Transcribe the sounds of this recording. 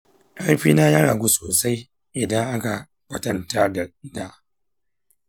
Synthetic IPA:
ʔa˦ɽɸiː˦naː˦ja˦ɾa˨ɡʷu˦soː˨sa˦j | ʔɪ˨dɐ˦ŋʔa˦ka˨ | kʷɐ˨tɐ˦nta˦da˨da˦

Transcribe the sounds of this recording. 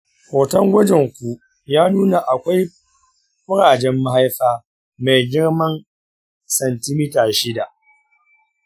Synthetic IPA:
kʷoː˨tɐ˦ŋɡʷɐ˦d͡ʒɛ˨ŋkʷu˨ | jaː˦nuː˦na˨ʔa˨kʷa˦j | bʊ˦ɽaː˨d͡ʒɛ˦mːa˦ɦa˦jɸaː˦ | ma˨jɡʲɪ˦ɽmɐ˦n | sɐ˨ntɪ˦mi˦taː˨ʃɪ˦da˨ʔ

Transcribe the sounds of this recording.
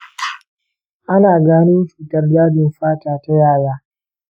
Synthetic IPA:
ʔa˦naː˨ɡaː˦nɪ˦m˦t͡ʃuː˨tɐ˦rdaː˦d͡ʒɪ˨mɸaː˦taː˨ta˦jaː˦˨jaː˦

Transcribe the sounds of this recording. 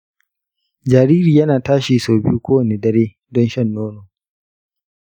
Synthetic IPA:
d͡ʒaː˨ɾiː˦ɾiː˨jɐ˦naː˨taː˦ʃiː˨soː˨bɪ̰˦ju˦kʷoː˦wɐ˨neː˨dɐ˦ɾeː˦ | dɔ˦nʃɐ˦˨nːoː˦no˨

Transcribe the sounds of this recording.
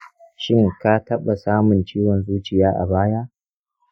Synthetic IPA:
ʃɪ˦ŋka˦tɐ˦ɓa˨saː˦mʊ˨nt͡ʃiː˦wɔ˨nzuː˦t͡ʃɪ˨jaː˦ʔa̰˨baː˦ja˦ʔ

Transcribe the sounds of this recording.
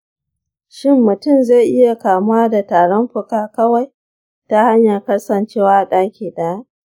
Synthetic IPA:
ʃɪ˦mːʊ˨tʊ˦˨mza˦˨ʔɪ˦ja˨kaː˨mʊ˦waː˦da˨taː˨ɽɔ˦mɸʊ˨kaː˦kɐ˦wa˨j | ta˦ha˦ɲja˨kɐ˦sɐ˨nt͡ʃeː˦waː˦˨ɗaː˦kʲiː˨ɗa˨˦

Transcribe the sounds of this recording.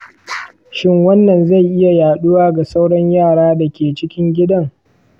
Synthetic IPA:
ʃɪ˦ŋwɐ˦nːɐ˨nza˦˨jʔɪ˦ja˨jaː˨ɗu˦waː˦ɡa˨sa˦wɽɐ˦ɲjaː˦˨ɽaː˦da˨kʲeː˨t͡ʃɪ˦kʲɪ˦ŋɡʲɪ˦dɐ˦ŋ

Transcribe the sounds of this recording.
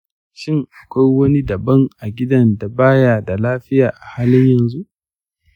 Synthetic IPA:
ʃɪ˦ŋʔa˨kʷa˦jwɐ˦ni˦dɐ˨bɐ˦ŋʔa˨ɡʲɪ˦dɐ˦nda˨baː˦jaː˨da˨laː˦ɸɪ˦jaː˨ʔa˨haː˦lɪ˦ɲjɐ˨nzu˦ʔ

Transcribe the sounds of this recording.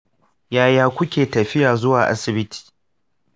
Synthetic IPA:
jaː˨jaː˦kʷʊ˦kʲeː˨tɐ˨ɸɪ˦jaː˨zʊ˦waː˨ʔa̰˦sɪ˨bɪ˦tʰi̥ː˨

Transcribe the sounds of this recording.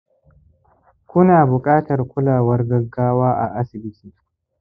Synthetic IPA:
kʷʊ˦naː˨bʊ˨kʼaː˦tɐ˨rkʷʊ˦laː˨wɐ˦rɡɐ˦ɡːaː˦waː˦ʔa˨ʔa˦sɪ˨bɪ˦tʰiː˨

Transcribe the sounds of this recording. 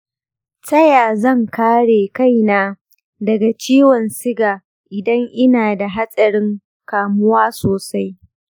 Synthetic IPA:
tɐ˦jaː˨zɐ˦˨ŋkaː˦ɽeː˨ka˦˨jnaː˦ | dɐ˨ɡa˨t͡ʃiː˦wɔ˨nsɪ˦ɡaː˨ | ʔɪ˨dɐ˦ŋʔɪ˦naː˨da˨ɦa˦sʼɐ˨ɽɪ˦ŋ | kaː˨mʊ˦waː˦soː˨sa˦j

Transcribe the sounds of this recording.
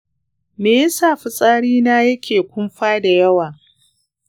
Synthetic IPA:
meː˨jɐ˦saː˦˨ɸi˨sʼaː˦ɽiː˦naː˦jɐ˦kʲʰeː˨kʷʊ˦mɸaː˦da˨jɐ˦waː˨

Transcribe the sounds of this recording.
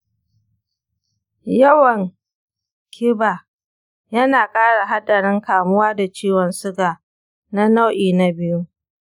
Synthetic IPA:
jɐ˦wɐ˨ŋ | kʲʰɪ˦ba˨ | jɐ˦naː˨kʼaː˦ɽa˨ɦa˦ɗɐ˨ɽɪ˦ŋkaː˨mʊ˦waː˦da˨t͡ʃiː˦wɔ˨nsʊ˦ɡaː˨ | na˦na˦wʔiː˨na˦bɪ˦ju˦

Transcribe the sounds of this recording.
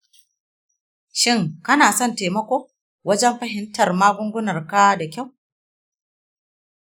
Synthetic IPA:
ʃɪ˦˨ŋkɐ˦naː˨sɔ˦nteː˨mɐ˦kʷoː˦ | wɐ˦d͡ʒɛ˦mɸɐ˦ɦɪ˦ntɐ˨rmaː˦ɡʷʊ˦ŋɡʷʊ˦nɐ˨rka˦da˨kʲa˦˨w

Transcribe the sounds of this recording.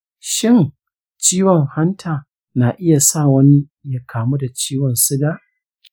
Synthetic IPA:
ʃɪ˦ŋ | t͡ʃiː˦wɔ˨ŋha˦ntʰaː˨ | naː˨ʔɪ˦ja˨sa˦˨wɐ˦ni˦ | ja˨kʰaː˨mu˦da˨t͡ʃiː˦wɔ˨nsɪ˦ɡaː˦

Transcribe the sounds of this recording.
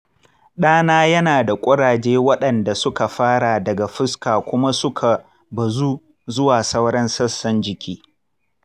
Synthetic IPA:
ɗaː˦naː˦jɐ˦naː˨da˨kʷʼʊ˦ɽaː˨d͡ʒeː˦wɐ˦ɗɐ˨nda˨sʊ˦ka˨ɸaː˦ɽa˨dɐ˨ɡa˨ɸɪ˦skaː˨kʷʊ˦ma˦sʊ˦kʰa˨ | bɐ˨zuː˦ | zʊ˦waː˨sɐ˦wɽɐ˦nsɐ˦sːɐ˦nd͡ʒɪ˨kʲiː˦

